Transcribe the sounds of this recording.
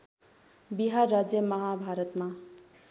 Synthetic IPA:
biɦarːad͡zjəmʌɦabʱaɾʌt̪ma

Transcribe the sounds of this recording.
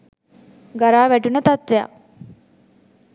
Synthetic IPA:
ɡaɾaːʋæʈunət̪at̪ʋeja̰

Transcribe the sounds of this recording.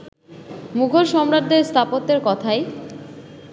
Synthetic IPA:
muɡʱoɾʃɔmɾad̪ʱːeɾst̪ʰapot̪ːeɾkɔt̪ʰaj

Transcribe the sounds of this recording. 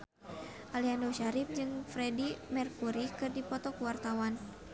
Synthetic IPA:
ʔaliandoʃaɾip̚d͡ʒɨŋfɾɛdimɛrkuɾikɨrdipɔt̪ɔkuwart̪awan

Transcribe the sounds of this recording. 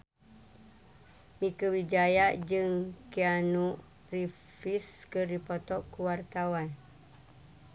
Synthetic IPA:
mĩkəwid͡ʒajad͡ʒɨŋkianuʔ | ri | fiskəripɔt̪ɔkːuwart̪awan

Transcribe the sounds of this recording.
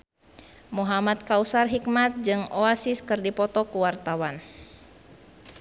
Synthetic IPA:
muɦamat̪̚kausarɦik̚mat̪̚d͡ʒɨŋoasiskɨrdipɔt̪ɔkuwart̪awan

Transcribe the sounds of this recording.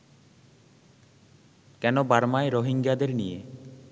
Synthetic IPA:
kɛnobaɾmaeɾoɦiŋɡad̪eɾnije

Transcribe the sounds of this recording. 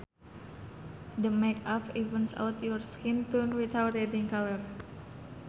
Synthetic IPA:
d̪əmekafivənsa̰wt̪jɔrskint̪unwit̪awt̪ɛdiŋkalər

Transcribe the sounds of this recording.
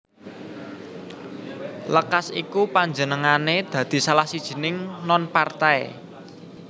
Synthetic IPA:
ləkasḭkupaɲd͡ʒənəŋaned̪̥ä̤d̪̥i̤salahsid̥ʒ̥i̤nɪŋnɔnpart̪aḛ

